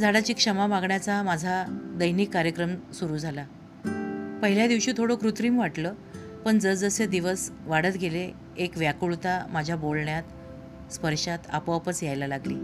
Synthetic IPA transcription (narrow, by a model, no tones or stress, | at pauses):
d͡zaɽat͡ɕiːkʂəmamaɡɳjat͡samad͡zʱad̪əjniːkːaɾjəkɾəmsuɾuːd͡zʱala | pəɦiljad̪iʋɕiːt̪ʰoɽokɾut̪ɾiːmʋaʈlə | pəɳd͡zəd͡zəsed̪iʋəsʋaɽət̪ɡʱele | ekʋjakuɭt̪amad͡ʑʱjabolɳjat̪ | spəɾɕat̪a̰pʋapət͡sjajlalaɡlḭː